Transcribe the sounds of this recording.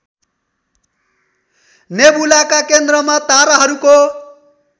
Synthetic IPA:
nebulakakend̪ɾʌmat̪aɾaɦʌɾuko

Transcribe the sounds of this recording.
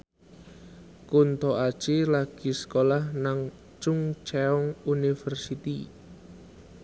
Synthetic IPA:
kunt̪ɔʔḁt͡ʃelaɡ̥i̤sə̥kolahnaŋ | t͡ʃʊŋt͡ʃɛɔŋunifɛrsit̪i

